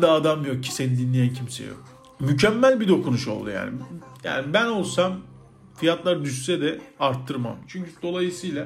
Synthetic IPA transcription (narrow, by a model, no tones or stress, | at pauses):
d̪aːd̪amjo̞k̚cʰi̥se̞nid̪inlʲejæncʰimsḛjo̰k | mycʰɛmːælʲbid̪o̞kʰunuʃo̞̰lˠd̪ṵja̰ːnḭja̰ːnibæno̞lˠsam | fijat̪lˠaɾd̪yssɛd̪ɛaɾt̪ʰːɯɾma̰mt͡ʃʰyɲcʰyd̪̥o̞lˠajɯsɯjlˠa